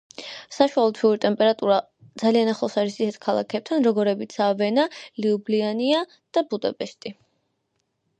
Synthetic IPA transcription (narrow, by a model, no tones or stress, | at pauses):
saʃwalɔt̪ʰiuɾit̪ʼɛmpʼɛɾat̪ʼuɾa | d̪zalianaχlˠɔsaɾisisɛt̪ʰkʰalˠa̰kʰɛp̚t̪ʰanɾɔɡɔɾɛbit̪sʰavɛnaliubliania | d̪̥abud̪apʼɛʃt̪ʼi